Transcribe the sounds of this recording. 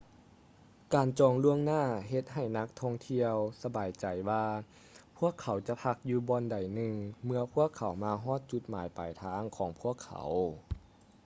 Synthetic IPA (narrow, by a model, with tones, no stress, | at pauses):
kaː˨˩nt͡ɕɔː˨˩ŋlu˧əŋnaː˥˩ɦe˧˦t̪̚ɦa˨˩jna˧˦˥k̚t̪ʰɔː˧˩ŋt̪ʰi˧əwsa˧baː˨jt͡ɕa˨˩jwaː˧ | pʰu˧˥˩əkʰːa˨˩˦wt͡ɕa˧˦pʰa˧˥k̚juː˧bɔː˧nda˨˩jnɯ˧ŋmɯ˧ɐpʰu˧˥˨əkʰːa˨˩˦wmaː˧ɦɔː˥˩t̪̚t͡ɕu˧˦t̪̚maː˨˦jpa˨˩jt̪ʰaː˧˥ŋkʰɔː˨˩˦ŋpʰu˧˥˩əkʰːa̰˨˩˦w